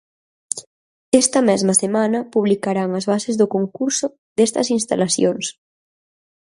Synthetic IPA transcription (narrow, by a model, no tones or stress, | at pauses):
ɛst̪ɐmɛzmɐsemanɐpuβlikaɾaŋɐzβasezðokoŋkuɾsʊ | ðest̪ɐ̰sinst̪alasjoŋs